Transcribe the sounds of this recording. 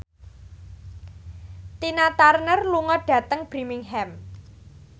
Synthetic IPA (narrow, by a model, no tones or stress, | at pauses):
t̪inat̪arnərluŋɔɖ̥ä̤t̪əŋb̥ɾimɪŋɦɛm